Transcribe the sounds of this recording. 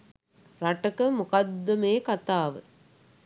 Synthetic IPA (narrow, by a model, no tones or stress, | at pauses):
ɾɐʈɐkɐmukɐd̪ːɐmeːkɐt̪aːʋɨ̰